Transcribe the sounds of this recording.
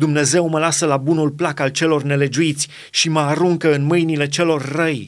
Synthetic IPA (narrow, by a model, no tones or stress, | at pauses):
d̪umne̞ze̞wməlasəlabunulplakalt͡ʃe̞lo̞rne̞le̞d͡ʒuit̪sʲ | ʃiməaɾuŋkəɨnmɨjnile̞t͡ʃe̞lo̞rʲːəj